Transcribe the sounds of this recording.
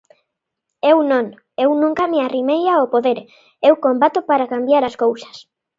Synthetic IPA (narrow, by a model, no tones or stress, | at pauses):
ewnõŋ | ewnũŋkamearimejaopoðeɾ | ewkombat̪opaɾakambjaɾaskowsḁs